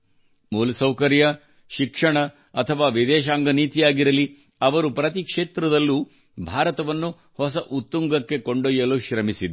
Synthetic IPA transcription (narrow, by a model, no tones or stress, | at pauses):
muːlɐsɐwkɐɾjɐ | ʃikʂɐɳɐ | ɐt̪ʰɐʋaːʋid̪ɛːʃaːŋɡɐniːt̪ijaːɡiɾɐli | ɐʋɐɾupɾɐt̪ikʂeːt̪ɾɐd̪ɐlːu | bʱaːɾɐt̪ɐʋɐnːu | hɔsɐʔut̪ːuŋɡɐkːe̞koɳɖojɐluʃɾɐmisid̪